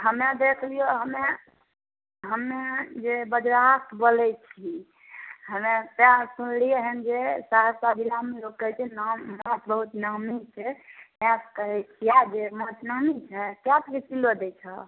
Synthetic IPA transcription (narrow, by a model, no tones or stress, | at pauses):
ɦəmed̪ekʰlijoɦəme | ɦəmed͡ʒebəd͡ʒɾakt̪ʰbolɛt͡ʃʰi | ɦəmepãsunlieɦənd͡ʒesaɦəsabilameloɡkət͡ʃʰɛnəmət̪bəɦut̪nəmit͡ʃʰɛpɛ̃skəɾɛt͡ʃʰijad͡ʒemət̪nəmit͡ʃʰɛkjat̪ket͡ʃilod̪ɛt͡ʃʰə